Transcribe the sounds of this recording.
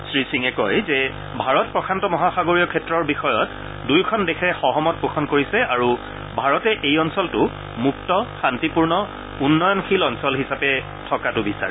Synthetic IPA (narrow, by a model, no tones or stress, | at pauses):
sɹisiŋɛkɔjzɛ | bʱaɹɔt̚pɹɔkʰantɔmɔɦaxaɡoɹijɔkʰɛtɹɔɹbixɔjɔt | dujkʰɔndexʰɛxɔɦɔmɔt̚poxʰɔnkoɹisɛaɹu | bʱaɹɔtɛʔejɔnsɔltʊ | muk̚tɔxantipuɹnɔ | unːɔjɔnxilɔnsɔlɦisapɛ | tʰɔkatʊbisa̰ɹɛ